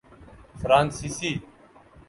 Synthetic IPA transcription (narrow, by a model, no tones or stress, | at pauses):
fɾaːnsiːsiː